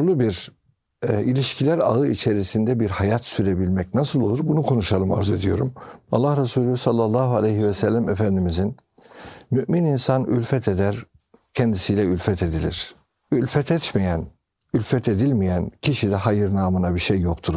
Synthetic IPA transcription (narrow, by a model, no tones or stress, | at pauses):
ɾlˠubiɾ | ilʲiʃcʰilʲæɾaɯit͡ʃʰe̞ɾisind̪ɛbiɾhajat̪syɾe̞bilʲmɛcnasɯlˠo̞lˠuɾbunukʰo̞nuʃalˠɯma̰ɾzue̞d̪ijo̞ɾumalˠːahɾasuːlʲysalˠːalˠːaːɦualʲɛjɦivɛsælʲːæmefænd̪imizin | myʔmininsany̰lʲfɛt̪ʰe̞d̪æɾ | cʰɛnd̪isijlʲɛylʲfɛt̪ʰe̞d̪ilʲḭɾ̥ | ylʲfɛt̪ʰɛt̪mejæn | ylʲfɛt̪ʰe̞d̪ilʲmijæncʰiʃid̪ɛɦajɯɾnaːmɯnabiʃejːokt̪ʰuɾ